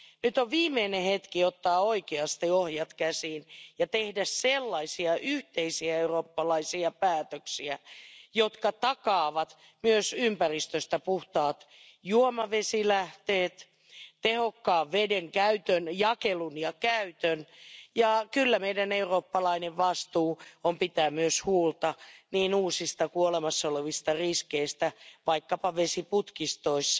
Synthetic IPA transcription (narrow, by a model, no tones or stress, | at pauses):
nyt̪oʋʋiːmːeinẽhet̪kiot̪ːɑːoikeɑst̪iohjɑt̪kæsiːnjɑt̪ehdæsselːɑisiɑʔyht̪eisiæeuroːpːɑlɑisiɑpæːt̪øksiæjot̪kɑt̪ɑkɑːʋɑt̪ | myøsympærist̪øst̪æpuht̪ɑːt̪ | juomɑʋesilæht̪eːt̪ | t̪ehokːɑːʋʋedeŋkæyt̪ønjɑkelunjɑkæyt̪ønjɑkylːæmeidæneuroːpːɑlɑineʋʋɑst̪uːompit̪æːmyøshuːlt̪ɑniːnuːsist̪ɑkuolemɑsːɑoleʋist̪ɑriskeist̪æʋɑikːɑpɑʋesiput̪kist̪oisː